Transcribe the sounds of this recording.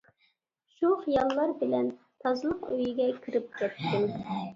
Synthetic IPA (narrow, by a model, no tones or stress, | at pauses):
ʃuχijɑlˠːɑɾbɪlɛn | t̪ʰɑzɨlˠəqøjiɡʲɛkʲʰiɾɪp̚kʲɛt̪ʰːɪm